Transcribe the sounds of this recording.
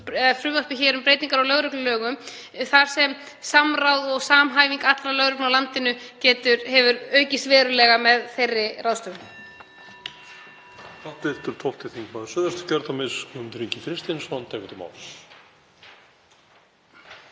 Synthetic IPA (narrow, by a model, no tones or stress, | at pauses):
fɾʏːvaspɪçɛːɾʏmpɾeːjt̪iŋkaɾawlœɣɾʏklʏlœːɣʏm | θaɾ̥sɛm | samrawðɔɣsaːmɦaːjviŋkat̪lalœɣɾʏknawlant̪ɪnʏcɛːt̪ʏɾhɛvʏɾœɥcɪsvɛːɾʏlɛɣamɛðθejrːɪraːwst̪ʏn | θaht̪ɪft̪ʏɾ̥t̪ʰɔht̪ɪθiŋkmaðɪsœðast̪ʏ̥cœɾt̪amɪsʏmt̪ɾiɲcɪfɾɪst̪ɪnsɔnt̪ʰɛːknt̪ʏma̰ws